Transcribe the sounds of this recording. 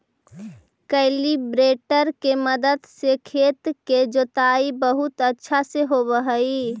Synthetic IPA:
kəɪlibɾeːʈəɾkeməd̪əd̪sekʰeːt̪ked͡ʒoːt̪aibəɦʊt̪ətːʃʰaseɦobəɦəi

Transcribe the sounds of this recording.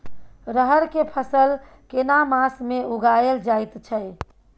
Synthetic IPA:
ɾəɦəɾkepʰəsəl | kenamãsmeuɡajeld͡ʒajt̪t͡ʃʰəj

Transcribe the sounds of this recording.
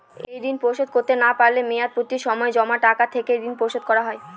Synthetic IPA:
ejd̪inpowʃod̪̚koɾt̪enapaɾlemeat̪̚puɾt̪iɾʃɔmɔed͡ʑɔmaʈakat̪ʰeked̪inpowʃod̪̚kɔɾaɦɔe

